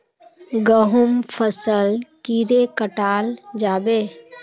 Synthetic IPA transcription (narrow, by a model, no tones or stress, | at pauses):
ɡəɦʊmpʰəsəlkiːɾekəʈaːld͡ʒaːbeː